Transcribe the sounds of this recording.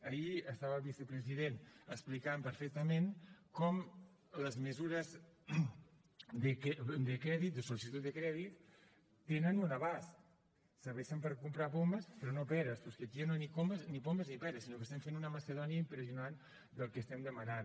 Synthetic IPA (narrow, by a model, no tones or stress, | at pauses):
əiəst̪aβəlˠβisəpɾəziðenəsplikampəɾfɛk̚t̪əmenkɔm | ləzməzuɾəz | d̪əkd̪əkɾɛðit̪̚d̪əsolisit̪ut̪̚d̪əkɾɛðit̪ː | enənunəβas | səɾβɛʃəmpəɾkumpɾapoməspɾɔnopɛɾəspɔskeəkianonikoməznipoməznipɛɾəsinokəst̪ɛmfenunəməsəðɔniəimpɾəziunan | d̪əlˠkəst̪ɛmd̪əmənan